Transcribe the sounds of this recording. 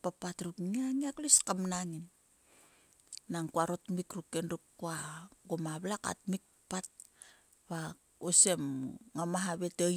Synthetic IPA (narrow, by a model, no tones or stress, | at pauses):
papatɾukniaŋiakliskamnaŋin | aŋkuaɾotmikɾukːendukkuaɡomaβlaka̰tmik̚pat̚ | βa | osemŋamaɦaβe̞te